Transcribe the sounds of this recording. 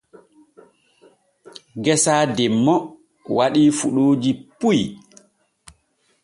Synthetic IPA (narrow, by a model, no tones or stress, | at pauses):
ɡɛsaːdɛmːɔ | waɗiːfuɗoːd͡ʒipuj